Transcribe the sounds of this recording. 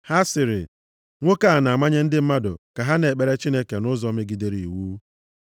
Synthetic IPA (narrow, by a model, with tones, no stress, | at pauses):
ha˦sɪ˨ɾɪ̰˨ | ŋʷo˦ka˦˨na˨ma˦ɲe˦n̩˦dɪ˦m̩˦ma˦dʊ̰˨ka˨ɦa˦ne˨k͡pe˨ɾe˦t͡ʃi˦ne˦ke˨nʊ˦zɔ˦me˦ɡi˨de˦ɾi˨wu˦